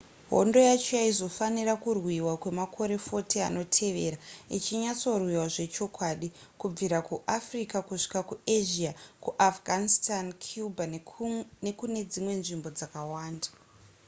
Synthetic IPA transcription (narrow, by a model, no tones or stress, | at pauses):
ɦo̞̰ndo̞jat͡ʃojaizo̞fanirakurwiwakwe̞makʰo̞ɾe̞fo̞tia̰no̞tʰe̞ʋe̞ɾait͡ʃiɲat͡so̞rwiwaʐe̞t͡ʃo̞kwaɗikub͡viɾakuʔafrikakuʂi̥kakueʒiakuʔafɡʱanistankʰjuba | ne̞kune̞d͡zimwe̞nʐimbo̞d͡zakawaːnda